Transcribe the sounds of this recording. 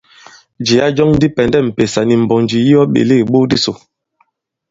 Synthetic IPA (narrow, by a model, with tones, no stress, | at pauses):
d͡ʒi˨a˦d͡ʒɔ˦ŋn˦di˦pɛ˨ndɛ˦˨m̩˨pe˨sa˨ni˨m̩˨bɔ˨nd͡ʒi˨ji˦ɔ˦ɓḛ˨le˦˨ɓo˦di˦so˨